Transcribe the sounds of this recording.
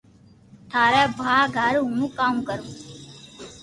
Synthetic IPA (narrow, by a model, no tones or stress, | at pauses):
t̪ʰaːɾɛːbʱaːɡʱəɾɦũkaːmkəɾuː